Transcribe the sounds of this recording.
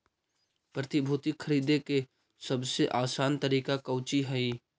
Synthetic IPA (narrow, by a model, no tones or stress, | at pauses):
pɾɐt̪ɪbʱuːt̪ɪkʰːəɾiːd̪eke | sɐbseʔaːsaːnt̪ɐɾiːkakɐʊt͡ʃiɦɐi